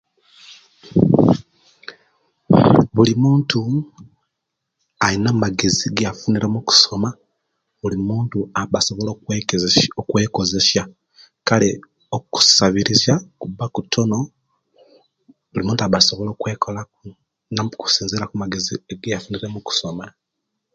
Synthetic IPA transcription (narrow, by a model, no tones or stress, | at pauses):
βulimuːntu | ainamaɡe̞ziɡjafuniɾemuku̥so̞ma | βulimuːntuaβasoβolokː | okwe̞ːko̞ze̞sja | kale̞ | oku̥saβiɾizakubːakutʰːo̞no̞ | βulimuːntaβaso̞βo̞lo̞ːkwe̞ːkʰola | naku̥siːnzilakumaɡe̞zieɡejafuniɾe̞muku̥so̞ma